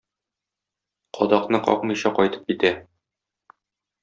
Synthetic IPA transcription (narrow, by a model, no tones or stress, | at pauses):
qʰɒd̪ɑqnɤqɒ̰qmɤ̆jɕɑqɒjt̪ɤ̥p̚kit̪æ